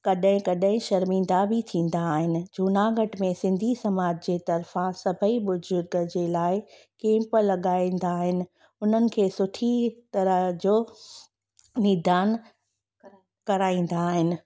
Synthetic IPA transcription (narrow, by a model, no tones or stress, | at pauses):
kɐɗɦɪ̃kɐɗɦɪ̃ʃɐɾmĩːn̆d̪abʱɪt̪ʰĩːn̆d̪aːɦɪnɪ̆d͡ʑʱuːnaːɡəʈmẽsɪ̃nd̪ʱisɐmaːd͡ʑd͡ʑeːt̪ɐɾfãsɐbʱəiɓʊzʊɾɡəd͡ʑeːlaːɪ | kẽːmpəlɐɠaːĩnd̪aːɦɪnɪ̆ | ʊn̤ənɪ̆kʰeːsʊʈʰit̪ɐɾəɦd͡ʑoː | niːd̪ʱaːn | kɐɾaːĩːn̆d̪aːɦɪnɪ̆